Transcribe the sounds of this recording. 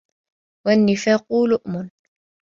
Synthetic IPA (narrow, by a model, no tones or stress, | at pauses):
wanːɪfaːquːlʊʔmʊn